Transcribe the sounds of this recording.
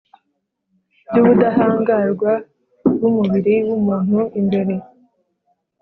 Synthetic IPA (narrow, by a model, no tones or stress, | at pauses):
juβudaɦaːŋɡaɾɡwa | wumuβiɾiwumaːn̥uʔimbe̞ɾe̞